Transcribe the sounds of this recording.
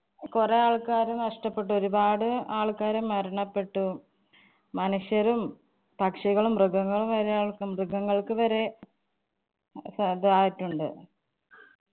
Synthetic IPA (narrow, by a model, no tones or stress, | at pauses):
kureaːɭkaːɾumnɐʂʈɐpːe̞ʈːuo̞ɾubaːɽɨaːɭkaːɾumːɐɾɐɳɐpːe̞ʈːu | mɐnuʂjɐɾum | pɐkʂiɣɐɭumrɨɡɐŋːɐɭumʋɐɾeaːɭkɨmrɨɡʱɐŋːɐɭkɨʋɐɾe̞ | sɐɐðaːjitːuɳɖɨ̰